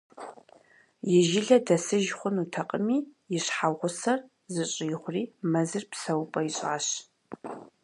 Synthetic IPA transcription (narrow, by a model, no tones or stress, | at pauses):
jɪʒɪɮɐdɐsɨʒχʷʊnutʰɐqʼəmiːjɪɕħawʁʷʊsɐr | zɨɕʼɪjɪχʷʊriːmɐzɨrpsɐwpʼɐjiɕʼa̰ːɕ